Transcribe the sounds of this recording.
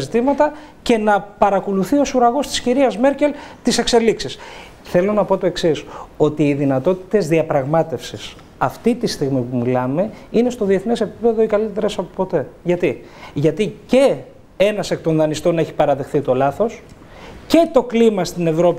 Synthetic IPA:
zit̪imɐt̪ɐ | ce̞nɐpɐɾɐko̞luθio̞suɾɐɣo̞st̪isciɾiɐzme̞ɾce̞lt̪ise̞kse̞liksis | θe̞lo̞nɐpo̞t̪o̞e̞ksiso̞t̪iːðinɐt̪o̞t̪i̥t̪e̞zðiɐpɾɐɣmɐt̪e̞fsis | ɐft̪it̪ist̪iɣmipumilɐme̞inest̪o̞ðie̞θnese̞pipe̞ðo̞ikɐlit̪eɾe̞sɐpo̞po̞t̪e̞ʝɐt̪i | ʝɐt̪ice̞ | e̞nɐse̞k̚t̪o̞nðɐnist̪o̞ne̞çi̥pɐɾɐðe̞xθit̪o̞lɐθo̞s | ce̞t̪o̞klimɐst̪ine̞vɾopi

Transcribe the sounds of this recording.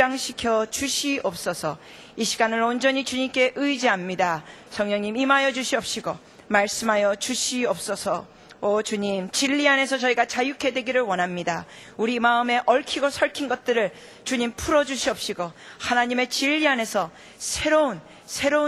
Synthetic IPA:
aŋɕʰikʰjʌt͡ɕuɕʰiʌp̚s͈ʌsʰʌ | iɕʰiɡanɯɾond͡ʑʌɲit͡ɕuɲimk͈e̞ʔɯid͡ʑiamɲida | sʰʌŋɲʌŋɲimimajʌd͡ʑuɕʰiʌp̚ɕ͈ʰiɡo | maɭs͈ɯmɦajʌt͡ɕuɕʰiʌp̚s͈ʌsʰʌ | ot͡ɕuɲimt͡ɕiʎːiane̞sʰʌt͡ɕʌiɡat͡ɕajukʰe̞dwe̞ɡiɾɯɭwʌnɦamɲida | uɾimaɯme̞ʔʌɭkʰiɡosʰʌɭkʰinɡʌt̚t͈ɯɾɯɭ | t͡ɕuɲimpʰuɾʌd͡ʑuɕʰiʌp̚ɕ͈iɡohanaɲime̞t͡ɕiʎːiane̞sʰʌ | sʰe̞ɾoun | sʰe̞ɾo

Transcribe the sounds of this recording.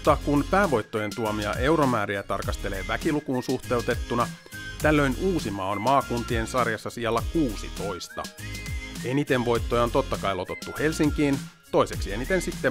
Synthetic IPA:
t̪ːɑkunpæːʋo̞jt̪ːo̞je̞nt̪uomiɑ̰ʔe̞wɾo̞mæːɾiæt̪ɑrkɑst̪e̞le̞ːʋækilukuːnsuxt̪e̞ut̪e̞t̪ːunɑ | t̪ælːøjnuːsimɑːonmɑːkunt̪ie̞nsɑrjɑsːɑsiɑlːækuːsḭt̪o̞jst̪ɑ̰ | enit̪e̞nʋo̞jt̪ːojɑot̪o̞t̪ːɑkɑjlo̞t̪o̞t̪ːuhe̞lsiŋkiːn | t̪o̞jse̞ksie̞nit̪e̞nsit̪ːe

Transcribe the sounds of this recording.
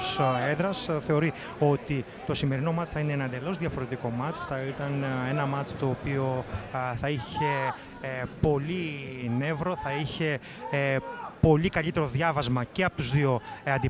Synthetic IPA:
seðɾɐsθe̞o̞ɾi | o̞t̪i | t̪o̞sime̞ɾino̞mɐt͡si̥θɐineenɐnd̪elo̞zðjɐfo̞ɾe̞t̪iko̞mɐt͡si̥θɐit̪ɐne̞nɐmɐt͡si̥t̪o̞ːpio̞θɐiçe̞ | po̞line̞vɾo̞θɐiçe̞ | po̞likɐʎit̪e̞ɾo̞ðʝɐvɐzmɐceɐpot̪uzðio̞ɐnd̪i

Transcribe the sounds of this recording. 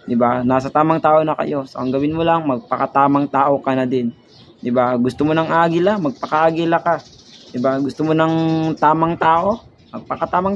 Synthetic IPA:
d̪ɪbanaːsɐt̪aːmɐŋt̪aːʔonɐkɐ̰jo̞so̰kɐŋɡɐwɪnmolaŋmɐɡ̚pɐkɐt̪aːmɐŋt̪aːʔo̞kɐnɐd̪ɪn | d̪ɪbaɡʊst̪omonɐŋaːɡɪlamɐɡ̚pɐkaʔaɡɪlaka | d̪ɪbaɡʊst̪omonɐŋt̪aːmɐŋt̪aːʔo̞ | mɐɡ̚pɐkɐt̪aːmaŋ

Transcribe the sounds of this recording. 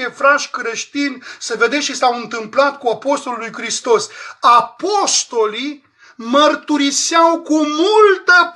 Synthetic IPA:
efɾaʃkɾeʃt̪insəved̪eʃisawɨnt̪ɨmplat̪kuapo̞st̪o̞lulujkɾist̪o̞sapost̪o̞li | mərt̪uɾiseawkumult̪əp

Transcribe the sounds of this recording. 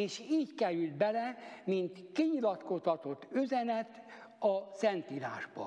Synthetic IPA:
eːʃiːckɛɾyld̪̚bɛlɛmint̪kiɲilɒt̪kost̪ɒt̪o̞t̪ːyzɛnɛt̪ | ɒsɛnt̪ila̰ːʒbɒ̰

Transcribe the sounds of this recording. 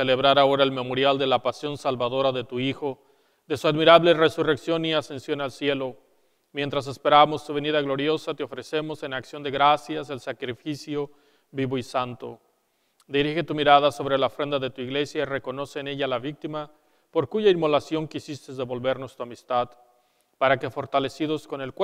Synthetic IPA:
sele̞βɾaɾao̞ɾae̞lme̞mo̞ɾjald̪e̞lapasjo̞nsalβaðoɾaðe̞t̪uixo̞ | ðe̞suaðmiɾaβlere̞sure̞ksjo̞niase̞nsjo̞nalsje̞lo̞ | mjent̪ɾas̬e̞spe̞ɾamo̞st̪uβe̞niðaɣlo̞ɾjo̞sat̪eo̞fɾe̞se̞mo̞se̞naksjond̪e̞ɣɾasjase̞lsakɾifisjo̞ | βiβo̞isant̪o̞̰ | d̪iɾixe̞t̪umiɾaðaso̞βɾelaofɾe̞nd̪aðe̞t̪uiɣle̞sjaire̞ko̞no̞seːne̞ʝalaβik̚t̪ima | po̞ɾkuʝaimo̞lasjo̞ŋkisist̪e̞zðe̞βo̞lβe̞ɾno̞st̪uamist̪að | paɾake̞fo̞ɾt̪ale̞siðo̞sko̞ne̞lk

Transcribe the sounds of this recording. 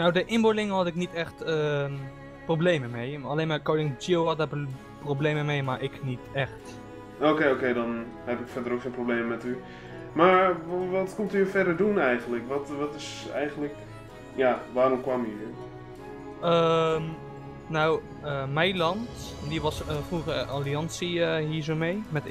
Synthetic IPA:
nawdəʔɪmbolɪŋəhɑtɪknitɛxtə | probleːməmejaleːnmakowlɪŋd͡ʒiəwhɔt̚da | probleːməmejmaɹʔɪknitɛxt | oːkeːokeːdɔn | hɛpɪkfɛrdərokχeːnprobleːməmɛty | maɹʋɔtkɔmtyfɛdəɹdunɛjɣəntləkʋɔtʋɔtɪsɛ̰jɣənlək | jaːʋaːɾɔmkwaminɪn | əm | naw | əmɛjlɑntdiʋɑsfruəɣəaliɑnsiɦiːzoːmejmɛt

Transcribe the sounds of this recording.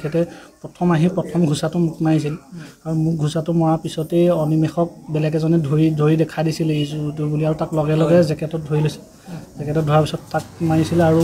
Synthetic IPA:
kʰɛtɛpɹɔtʰɔmaɦĩpɹɔtʰɔmɡʱusatʊmʊk̚naɹis̬ilaɹumʊk̚ɡʱusatʊmɔɹapisɔteɔnimɛxɔk̚bɛlɛɡɛzɔnɛdʱoɹidʱoɹidɛkʰadisilezutubuliaɹutaklɔɡɛlɔɡɛzɛkɛtɔt̚dʱoɹilojsil | z̥ɛkɛtɔt̚dʱɔɹaɹpisɔtːak̚maɹisilaɹu

